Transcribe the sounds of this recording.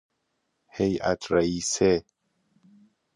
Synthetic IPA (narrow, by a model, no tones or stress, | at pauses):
heja̰t̪ɾaise